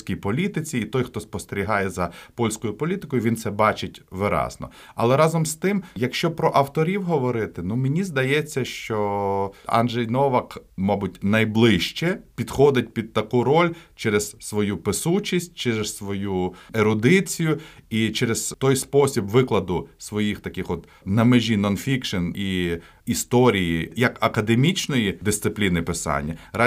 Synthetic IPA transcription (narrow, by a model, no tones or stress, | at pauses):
sʲkʲijpɔlʲit̪ɪt͡sʲiːt̪ɔjxt̪ɔspɔst̪eɾʲiɦɑjɛzɐpɔlʲsʲkɔjʊpɔlʲit̪ɪ̥kɔjʊʋʲint̪sɛbɑt͡ʃɪtʲʋɪɾɑ̰znɔ̰ | ɐ̰lˠɛɾɑzɔmst̪ɪmjɐkʃt͡ʃɔpɾɔʔɐwt̪ɔɾʲiwɦɔʋɔɾɪt̪ɪnumenʲizd̪ɐjɛt͡sʲːɐʃt͡ʃɔ | a̰nʒɛjnɔʋɐkmɑbʊtʲnɐjblˠɪʃt͡ʃɛpʲid̪xɔd̪ɪt̚ʲpʲid̪̚t̪ɐkuɾɔlʲt͡ʃɛɾez̥sʋɔjupɪsut͡ʃʲisʲt̚ʲt͡ʃɛɾessʋɔjueɾʊd̪ɪt͡sʲijʊit͡ʃɛɾezt̪ɔjspɔsʲibʋɪklˠɐd̪ʊsʋɔjixt̪ɐkɪxɔt̪ | nɐmeʒʲinɔnfʲikʃɔni | ist̪ɔɾʲijijɐkɐkɐd̪emʲit͡ʃnɔjid̪ɪst̪sɪplʲinɪpɪsɑ̰nʲːɐɾɑ